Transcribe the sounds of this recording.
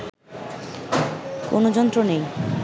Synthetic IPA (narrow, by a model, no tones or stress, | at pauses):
ko̰nod͡ʑɔnt̪ɾonej